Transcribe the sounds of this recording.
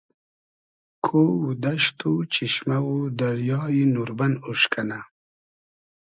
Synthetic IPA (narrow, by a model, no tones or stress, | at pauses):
kʰowud̪aʃt̪ut͡ɕiʃmawud̪aɾjɑːjinuɾbanuʂkana